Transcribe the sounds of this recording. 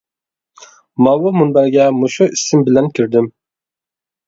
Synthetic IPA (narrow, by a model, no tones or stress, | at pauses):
mɑwʊmunbæɾɡʲɛmuʃuisɪmbɪlɛnkʲʰiɾd̪ɪm